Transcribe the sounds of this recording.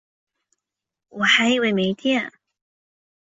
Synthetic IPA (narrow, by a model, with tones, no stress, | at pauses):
wɔ˨˩xa˧˥ɪi˧˥˧we˥˩ɪme˧˥ɪt̪jɛ˥˩n